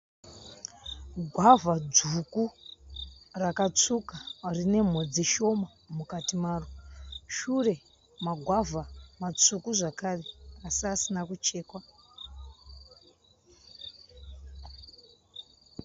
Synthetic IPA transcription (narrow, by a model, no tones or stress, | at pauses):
ɡʱwavad͡zuku | rakat͡sukarine̞m̤o̞d͡ziʃo̞ma | mukatimaːroʃure̞ | maɡʱwavʱamat͡sukuʐakare̞asiasinakut͡ʃe̞ːkwa